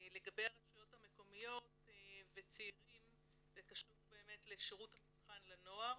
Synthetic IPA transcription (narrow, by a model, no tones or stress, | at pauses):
le̞ɡabe̞jaʁaʃujothame̞ko̞mijo̞tvet͡seiʁim | ekaʃutbe̞ːme̞tleʃiʁuthamilχanlano̞aʁ